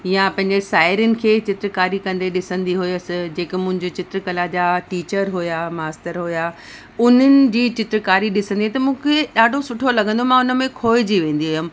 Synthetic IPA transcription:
japɐ̃ɦɪ̃ɲd͡ʑesaːɪɾənɪ̆kʰeːt͡ɕɪt̪ɾkaːɾikɐ̃nd̪eɗɪsə̃nd̪iɦʊiɐsɪd͡ʑeːkɪmʊ̃ɦɪ̃ɲd͡ʑot͡ɕɪt̪ɾkəlad͡ʑaːʈiːt͡ɕəɾɦʊjamaːst̪əɾɦʊja | ʊn̤ənɪ̆d͡ʑiːt͡ɕɪt̪ɾkaːɾiɗɪsə̃nd̪iɦɛ̃t̪ɐmũːkʰeɗaːɖʱosʊʈʰolɐɡʱə̃nd̪omãʊnə̆mẽkʰoːɪd͡ʑiʋẽːnd̪iɦʊjəm

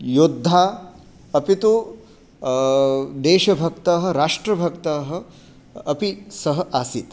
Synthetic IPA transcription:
jod̪ʱːaː | ɐpit̪u | d̪eːʃɐbʱɐkt̪ɐɦɐ̆ɾaːʂʈɾɐbʱɐkt̪ɐːɦɐ̆ː | pisɐɦɐ̆ʔaːsit̪

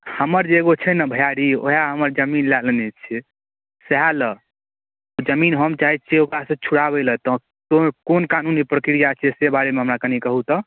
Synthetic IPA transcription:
həməɾd͡ʒeːɡot͡ʃʰɛnəbʱəjaɾio̰ɦaɦəməɾd͡ʒəminlalənɛt͡ʃʰɛ | seɦalə | od͡ʒəminɦəmt͡ʃaɦit͡ʃʰeokɾasə̃t͡ʃʰuɽabelət̪ɔ | kokonkanunipɾəkɾijat͡ʃʰɛsebaɾemeɦəmɾakənikəɦut̪ɔ

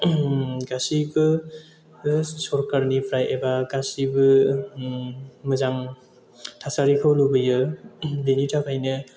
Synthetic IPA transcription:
ɡasibɯ | sɔɾkaɾnipʰɾajʔebaɡasibɯ | mɯzaŋ | tʰasaɾikʰawlubɯjɯlenitʰapʰajnɯ

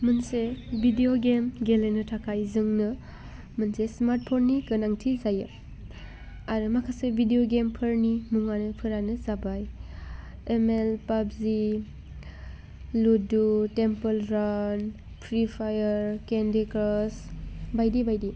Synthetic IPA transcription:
mɯnsebʱidejoɡemɡelenɯtʰakʰajzɯŋnɯ | mɯnsesmaɾt̚pʰonːikɯnaŋtʰizajɯ | aɾɯmakʰasebʱidejoɡempʰɯɾnimuŋanɯpʰɯɾanɯzabaj | emelpabzi | ludutempəlɾan | pʰɾipʰajəɾkendekɾɔsbajdibajdi

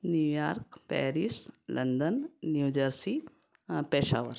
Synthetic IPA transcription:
njuːjaːɾkpɛ̰ːɾislɐnd̪ənːjuːd͡ʒəɾsi | peːʃa̰ːʋəɾ

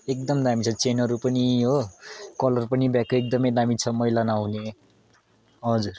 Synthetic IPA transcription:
ekd̪ʌmd̪amit͡sʰʌ̃t͡senʌɾupʌniɦokʌlʌrpʌnibjakoek̚d̪ʌmʌjd̪amit͡sʰʌmʌijlanawune | ɦʌd͡zur

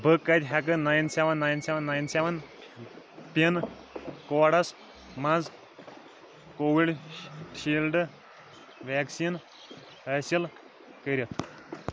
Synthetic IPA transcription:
bʱəkːat̪ʲɦak̬ɨnajnseʋənːajnsɛʋənːajnseʋən | pin | kɔɽas | mad͡z | koʋiɽɕilɖ | ʋɛksin | həsil | kəɾʲit̪

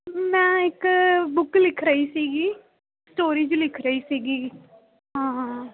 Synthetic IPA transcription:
mɛ̃ːɪkbʊklɪkʰɾəiːsiːɡiː | sʈoːɾiːd͡ʒulɪkʰɾəiːsiːɡiː | ɦãː

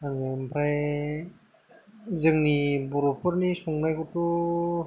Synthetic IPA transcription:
aŋampʰɾaj | zɯŋnibɔɾɔpʰɯɾnisɔŋnajɡutu

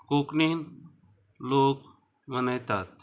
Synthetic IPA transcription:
koːknin | loːk | mɐnəjt̪at̪̚

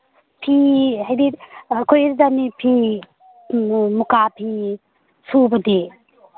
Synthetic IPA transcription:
pʰiɦajdikʰojeɾdanipʰi | mukapʰi | subɐde

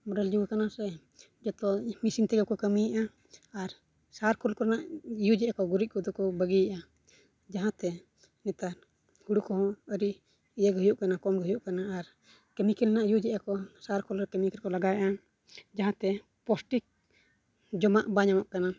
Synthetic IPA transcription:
mɔɖald͡ʒuwakanasɛ | d͡ʒɔt̪ɔmisimt̪ɛɡɛkɔkəmijʔaː | ɾ | saɾkɔlkɔɾɛnaʔjud͡ʒɛʔakɔɡuɾit̪̚ˀkɔd̪ɔkɔbəɡijaʔa | d͡ʒaɦãt̪ɛ | nɛt̪aɾ | huɽukɔɦɔ̃əɾiʔ | ijəɡɦujuʔkanakɔmɡɦjuʔkanaːɾ | kəmikɛlnaʔjud͡ʒɛʔakɔsaɾkɔlɾɛkəmikɛɾkɔlaɡajʔa | d͡ʒaɦãt̪ɛ | pɔsʈik̚ | d͡ʒɔmaʔbaɲamɔʔkana

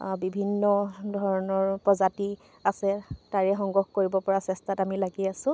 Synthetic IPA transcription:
bibʱinːɔdʱɔɹɔnɔɹpɹɔzati | asɛtaɹɛxɔŋɡɔxkoɹibɔpɔɹasɛstatamilaɡiasʊ̃

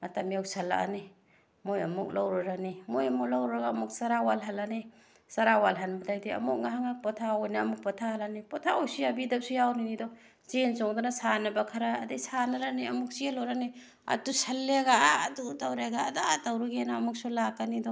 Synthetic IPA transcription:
matamijawsalːa̰ʔa̰ni | mojamuk̚lawɾaɾanimojamuk̚lawɾɾaɡaːmuk̚saɾawalɦalani | saɾawalɦanbadajdiɐ̰muk̚ŋaɦaŋak̚pɔtʰawɔjnaːmuk̚pɔtʰahalanipɔtʰaojsujabidap̚sujawninidɔ | zensɔŋdɔnasanabakʰaɾaːdesanaɾaniɐmuk̚sielɔwɾani | a̰tusalːeaɡaadutawɾeɡaːdatawɾuɡenamuk̚sulakːanidɔ

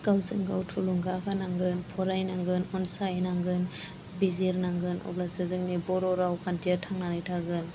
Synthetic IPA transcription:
ɡ̥awzɯŋɡawtʰuluŋɡakʰanaŋɡɯnpʰɔɾajnaŋɡɯnɔnsajnaŋɡɯn | biziɾnaŋɡɯnʔɔ̰blasɯzɯŋnibɔɾɔɾawkʰantijatʰaŋnanajtʰaɡɯn

